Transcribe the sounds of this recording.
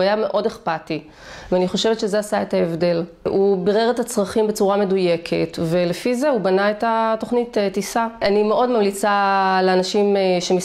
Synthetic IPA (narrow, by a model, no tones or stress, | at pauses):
ajame̞ʔo̞deχpati | veaniχo̞ʃe̞vetʃezeasae̞taevde̞l | ʔubiʁeʁethat͡sʁaχimbe̞t͡suʁame̞duje̞kʰe̞̰tve̞lefize̞ubanaetato̞χnitetisaanimeʔo̞dmamlit͡saleanaʃimʃemis